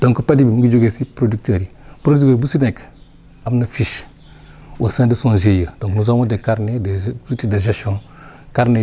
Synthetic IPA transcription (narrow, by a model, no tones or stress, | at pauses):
d̥õŋkəpadibimiɡid͡ʒoɡesipɾodik̚təɾipɾodiktəɾbusinek | amnəfiʃ | o̰sãdəsõnʒejəd̥õknuzamodekaɾnedeutideʒesʃõn | kaɾne